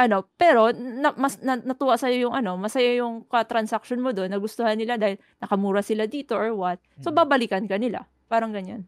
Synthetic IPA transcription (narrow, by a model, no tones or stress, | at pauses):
ʔɐno̞pɛːɾo̞nɐmɐsnɐnɐt̪uːʔasɐjojʊŋʔɐno̞mɐsɐjajʊŋkɐt̪ɾɐnsak̚ʃonmod̪o̞nːɐɡʊst̪ohanːɪlad̪aːhɪl | nɐkɐmuːɾɐsɪlad̪iːt̪o̞ʔoɹwɐt̪̚so̞babɐlikɐnkɐnɪla̰ | paːɾɐŋɡɐɲan